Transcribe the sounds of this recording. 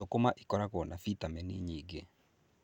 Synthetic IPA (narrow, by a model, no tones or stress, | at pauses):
okomaʔikɔɾaɣɔnafitamɛnḭɲiːɡe